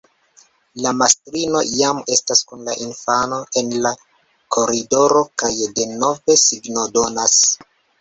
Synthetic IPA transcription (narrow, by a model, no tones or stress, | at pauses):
lamastɾino̞jame̞staskunla̰ʔinfano̞ʔe̞nla | kʰo̞ɾido̞ɾo̞kajde̞no̞ve̞siɡno̞do̞nas